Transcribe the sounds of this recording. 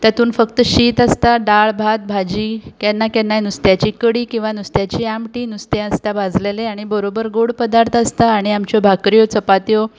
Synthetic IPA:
t̪jat̪uːnfəkt̪əɕiːt̪ast̪aɖaɭbʱat̪̚bʱad͡ʑiːkɛnːakɛnːajnust̪jat͡ɕiːkəɽiːkĩw̃ʋanust̪jat͡ɕiːamʈiːnust̪ẽast̪abad͡zʱleleaɽ̃ibəɾobəɾɡoɽpəd̪aɾt̪ʰast̪aːɽ̃iamt͡ɕɔbʱakɾijot͡səpat̪jo

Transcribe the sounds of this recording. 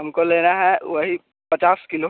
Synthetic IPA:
ɦɐmkoleːnaɦɛʋɐɦi | pɐt͡ʃaːskɪlo

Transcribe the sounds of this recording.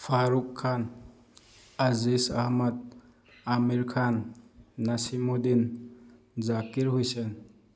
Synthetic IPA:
pʰaɾukʰːan | azisahmat̪̚ | amiɾkʰanː | asimodin | zakiɾhujse

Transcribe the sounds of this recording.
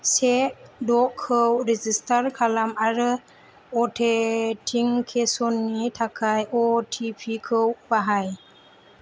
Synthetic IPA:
seʔdɔʔkʰːəwɾɛd͡ʒistʰaɾkʰalamaɾɯ | ɔtʰetʰiŋkʰesɔnːitʰakʰajɔtʰipʰikʰəwbaɦaj

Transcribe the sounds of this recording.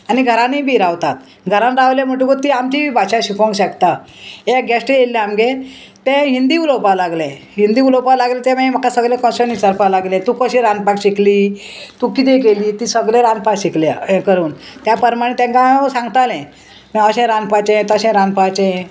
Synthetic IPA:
aniɡʱəɾãnibʱiɾaʋt̪at̪ | ɡʱəɾãnɾaʋljãm̤əʈ̬ukot̪iamt͡ɕibʱiːbʱaɕaɕikʰõŋɡɕakt̪a | eɡɛsʈjelːeamɡẽ | t̪ɛ̃ɦind̪iːulowpalaɡlɛ̃ | ɦind̪iːulopalaɡlẽt̪ɛ̃mam̤əkasəɡlẽkɔ̃sənit͡səɾpalaɡlɛ̃t̪ukəɕĩɾanpakɕikliː | t̪ukit̪ekeliːt̪iːsəɡlẽɾanpakɕikljãkəɾuːnt̪japəɾmaɽ̃ẽt̪ɛ̃ŋkãsãŋɡt̪alɛ̃ | miəɕɛ̃ɾanpat͡ɕɛ̃t̪əɕɛ̃ɾanpat͡ɕɛ̃

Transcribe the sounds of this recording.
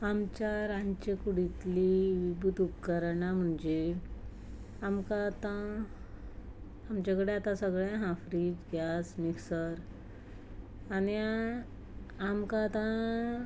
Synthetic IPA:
amt͡ɕjaɾãɲt͡ɕekuɽit̪liʋibʱut̪upkəɾɳam̤əɳd͡ʑe | amkat̪ã | mt͡ɕakəɽeat̪ãsəɡɭãɦãfɾid͡ʑɡʱjasmiksəɾ | ani | amkat̪ã

